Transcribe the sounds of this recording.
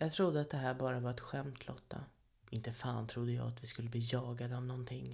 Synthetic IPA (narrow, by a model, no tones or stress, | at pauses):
jɑːɡt̪ʰɾʊd̪ːəat̪̚d̪ɛɦæːɾbɑːɾavaɾɛt̪ɧɛmt̪ʰlɔ̰t̪ʰːa̰ | ɪnt̪əfaːnt̪ʰɾʊd̪ːəjɑ̰ːat̪vɪskɵlːəbliːjɑːɡad̪əavnɔnt̪ʰɪŋː